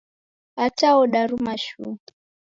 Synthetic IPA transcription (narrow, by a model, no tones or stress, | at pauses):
ataɔɗaɾumaʃṵ